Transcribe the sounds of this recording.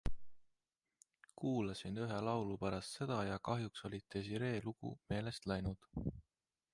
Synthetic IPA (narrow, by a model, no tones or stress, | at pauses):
kuːlɑsinyɦe̞lɑwlupæɾɑst̪se̞d̪̥ɑjɑkɑɦjukso̞lʲit̪ˑːes̬iɾe̞ːluɡ̥ṵme̞ːle̞st̪læjnud̪̥